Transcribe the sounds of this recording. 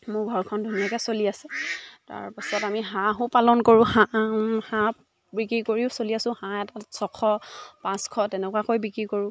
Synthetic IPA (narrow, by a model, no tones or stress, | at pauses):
mʊɡʱɔɹkʰɔndʱunijakɛsoliasɛta̰ɹpisɔtamiɦãɦʊpalɔnkoɹʊ̃hahã | bikɹikoɹiʊsoliasʊ̃hãɛtatsɔkʰɔpãskʰɔtɛnɛkuwakojbikɹikoɹʊ̃